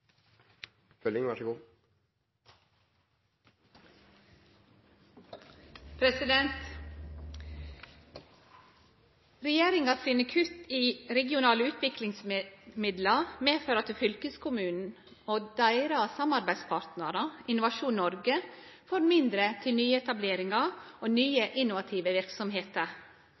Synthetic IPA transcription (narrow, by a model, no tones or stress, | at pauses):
fœlɪŋʋɑʂəɡuː | pʰɾɛsɪd̪ɛnt̪ | ɾɛjeːɾɪŋɑːsinəkʰʉt̪iːɾɛɡɪʊnɑːləʉːt̪ʋɪklɪŋsmɪd̪lɑmeːføːɾɑt̪ʰɪfʏlkəskʰʊmʉːnn̩ | oːd̪æɪɾɑsɑmɑɾbæɪspʰɑːɾt̪nəɾɑɪnʊʋɑʃuːnnːɔɾɡəfoːɾmɪnd̪ɾət̪ʰɪlnyːəɛt̪ɑbleːɾɪŋɑoːnyːəʔɪnʊʋɑt̪ʰiːʋəʋɪɾksɔmɦeːt̪əɾ